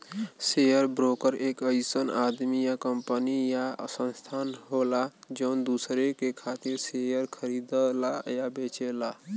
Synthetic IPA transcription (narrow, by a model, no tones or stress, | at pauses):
sejəɾbɾokəɾekəjsənad̪mijakəmpənijasə̃nst̪ʰanɦolad͡ʒəʊnd̪usɾekekʰat̪iɾsejəɾkʰəɾid̪əlajabet͡ʃela